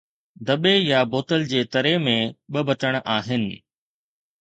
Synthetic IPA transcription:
d̪ɐɓejaboːt̪əld͡ʑeːt̪ɐɾemẽɓɐbɐʈəɽ̃ʔaːɦɪnɪ̆

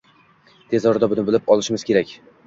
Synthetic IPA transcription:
t̪ʰe̞zɒɾd̪abʊnɪbɪlɪpɒlˠɪʃɪmɪz̥kʲʰe̞ɾakʲ

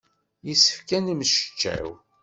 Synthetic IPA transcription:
jisə̥fkænimʃə̥t͡ʃːæ̰w

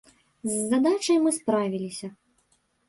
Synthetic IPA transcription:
zːad̪at͡ʂɐjmɨspɾavʲilʲisʲɐ

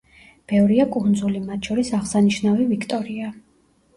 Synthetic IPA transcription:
b̥ɛvɾiakʼund̪zulimat̪ʰʃʰɔɾisaʁsaniʃnavivikʰt̪ʼɔɾia

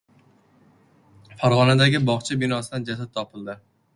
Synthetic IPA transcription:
faɾʁɒnad̪aɡʲɪbɒχt͡ʃʰabɪnɒsɪd̪and͡ʒas̬ad̪̚t̪ʰɒpɪld̪ɪ

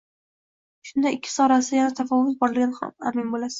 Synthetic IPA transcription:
ʃʊnd̪aɪkʲʰːɪ̥sɒɾasɪjanat̪ʰafɒvʊt̪̚bɒɾɪɾɡʲanha̰mamɪnbolasɪ̥

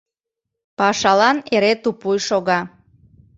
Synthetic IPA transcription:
pɑʃɑlɑneɾet̪upujʃoɣɑ

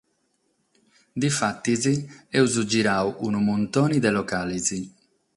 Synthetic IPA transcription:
d̪ifat̪ːiziɛuzud͡ʒiɾaːuʔunumunt̪oːnid̪ɛlɔkaːlizi

